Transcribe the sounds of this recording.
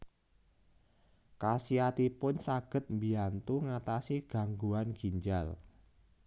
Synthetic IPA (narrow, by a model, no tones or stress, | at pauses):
kasiat̪ipʊnsaɡ̥ə̤t̪̚mbiant̪uŋat̪asiɡ̥a̤ŋɡuanɡ̥i̤ɲd͡ʒal